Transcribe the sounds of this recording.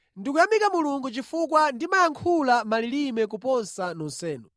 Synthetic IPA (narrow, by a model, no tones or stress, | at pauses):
ndikujamikamuluŋɡut͡ʃifukwandimajaŋkʰulamalilimɛk̬upɔnsanɔnsɛːnɔ